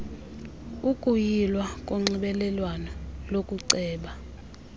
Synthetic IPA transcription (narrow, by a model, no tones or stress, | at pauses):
ukʼujilwak̬ʼoŋ͡ǀiɓɛlɛlwanɔlokʼuǀɛːɓa